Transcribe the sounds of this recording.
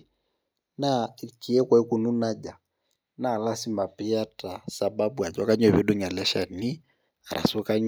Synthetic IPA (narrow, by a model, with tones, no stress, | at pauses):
na˦i˨ki˨ɛ˦kwa˦i˦ku˨nu˦na˦d͡ʒa˨ | na˦˨la˦si˦ma˨pi˦a˦ta˨sa˨ɓa˦bu˨a˨d͡ʒɔ˦ka˦ɲwɛ˨βi˦ɗu˦ɲa˨lɛ˦ʃa˨ni˦ | a̰˨ɾʔa̰˨sɔ˦ka˦ɲ